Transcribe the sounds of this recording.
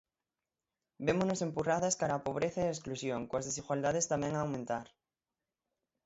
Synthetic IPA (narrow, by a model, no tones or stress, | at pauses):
bemonosempuraðaskaɾaːpoβ̞ɾeθaees̬klusjoŋkwazðesiɣwald̪aðest̪amɛ̃ŋaːwmẽnt̪aɾ